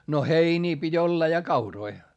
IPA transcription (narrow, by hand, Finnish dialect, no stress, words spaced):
no heiniː pitʲ olːɑ jɑ kɑuroi